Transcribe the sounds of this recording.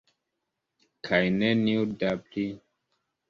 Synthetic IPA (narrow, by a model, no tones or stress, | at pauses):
kʰajneniudabli